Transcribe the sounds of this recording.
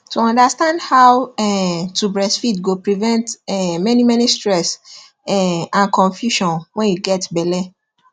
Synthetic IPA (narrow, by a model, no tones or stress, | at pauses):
tuɔ̃ndastãndhawɛtubɹɛsfitɡopɹɾivɛ̃ntɛmɛnĩmɛ̃nĩstɹɛs | ɛãnkɔ̃nfjuʃɔ̃nwɛ̃njuɡɛtbɛlɛ